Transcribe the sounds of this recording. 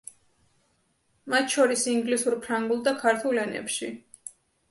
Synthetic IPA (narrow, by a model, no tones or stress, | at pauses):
mat̪ʃɔɾisiŋɡlisuɾpʰɾaŋɡulˠd̪akʰaɾt̪ʰulɛnɛ̰pʃi